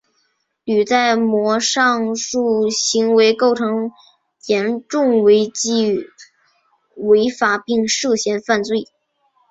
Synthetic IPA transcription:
ly˨˩t͡sa˥˩ɪmwɔ˧˥ʂɑ˥˧ŋʂu˥˩ɕi˧˥ŋwe˧˥ɪko˥˩ʊʈ͡ʂʰɤ˧˥ŋ | jɛ˧˥nʈ͡ʂʊ˥˩ŋwe˧˥ɪt͡ɕi˥˩ | we˧˥ɪfa˨˩pi˥˧ŋʂɤ˥˩ɕjɛ˧˥nfa˥˧nt͡swe˥˩ɪ

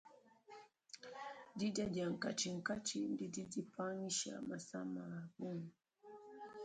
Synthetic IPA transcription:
di˦da˦d͡ʒa˨ŋ̩˨ka˨t͡ʃi˨ŋ̩˨ka˦t͡ʃi˦n˦di˦di˦di˦pʰa˦ni˦ʃa̰˨ma˨sa˦ma˨bu˦ŋ

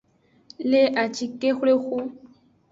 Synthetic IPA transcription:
le˦ʔa˨t͡ʃi˦ke˦xe˦xʊ˦

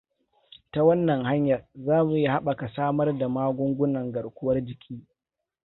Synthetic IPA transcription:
ta˦wɐ˦nːɐ˨ŋha˦ɲjɐ˨rzaː˦mu˨ji˦ha˦ɓa˨ka˨saː˦mɐ˦rda˨maː˦ɡʷʊ˦ŋɡʷʊ˦nɐ˨ŋɡɐ˨ɽkʷʊ˦wɐ˦rd͡ʒɪ˨kʲʰiː˦

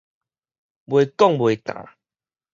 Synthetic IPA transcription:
bwe˨kɔ˥˨ŋbwe˨kã̰˨˦

